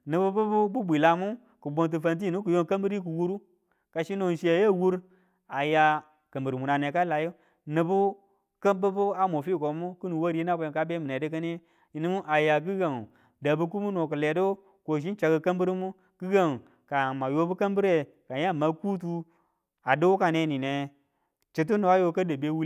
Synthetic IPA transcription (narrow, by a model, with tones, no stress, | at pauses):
nɨ˨bu˦bu˦bu˦bu˦bʷi˨la˨mu˦ | ku˨bo˨nt̬u˨fa˨nt̬i˦˨nu˦ku˨jo˦ŋka˦mbi˦ɾi˦ku˨wu˦ɾu˦ | ka˨ʃi˦no˨n˨ʃi˦a˨˦ja˦˨wu˦ɾ | a˨ja˨ | ka˨mbɨ˨ɾmu˨na˨ne˨ka˦la˨ju˦ | nɨ˨bu˦ | ka˦mbə˦bu˦a˦mo˨fi˦˨ko˨˦mu˦ku˦nu˨wa˦ɾi˦na˦ko˦jo˨ka˦be˦mi˨ne˨di˦k̬a˦ni˦ | i˨ni˦mu˦ʔa˨ja˨k̬i˦ɡa˨ŋ˨ | da˨bu˦k̬u˦mu˦no˨k̬ɨ˨le˨do˦ | ko˨ʃ̬i˦n˦t͡ʃa˨ɡə˨ka˦mbu˦ɾi˦mu˦ | ki˦ɡa˦˨ŋ˨ | ka˨ma˨jo˦bu˦ka˦mbi˦ɾe˨ | ka˨ja˦˨ma˨ku˦tu˦ | a˨do˦wu˦ka˨ne˦ni˨ne˨ | t͡ʃi˨t̬u˦nu˨a˦jo˦ka˦da˨be˦wu˦